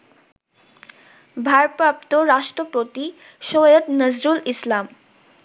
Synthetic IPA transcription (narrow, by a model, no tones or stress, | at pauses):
bʱaɾpɾap̚t̪oɾaʃʈɾopɾot̪i | ʃojəd̪nəzɾulislam